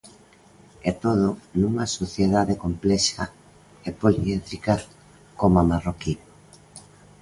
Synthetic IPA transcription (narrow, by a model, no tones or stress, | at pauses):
ɛt̪oð̞onuŋasoθjeðaðekomplɛʃa | epoliet̪ɾika | komamaroki